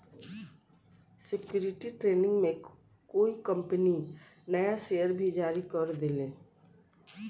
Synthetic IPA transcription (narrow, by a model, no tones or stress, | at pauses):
sɪkjuːɾɪʈiʈɾeːnɪ̃ŋɡmẽkoːikə̃mpəninəjaʃeːjəɾbʱid͡ʒaːɾikəɾd̪eleː